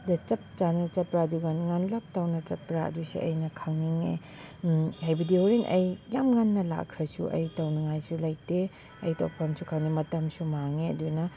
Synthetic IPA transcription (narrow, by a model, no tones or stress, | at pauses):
dɐt͡ʃɐp̚t͡ʃanɐt͡ʃɐpɾaduɡanŋanlap̚tawnɐt͡ʃɐpɾaɐ̰dusḭʔɐ̰jnɐkʰawniŋe | hajbɐdioɾinʔɐ̰jːamŋanːɐla̰kʰɾɐsṵʔɐ̰jtɐwnɐŋajsulajte | ɐjtɐ̰wpʰɐmsukʰawnimɐtɐmsumaŋeɐ̰dunɐ